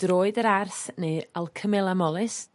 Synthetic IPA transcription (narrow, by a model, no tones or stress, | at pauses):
d̥roːɨdəɾarθneɨalˠkʰəmɛlˠamɔlˠɨs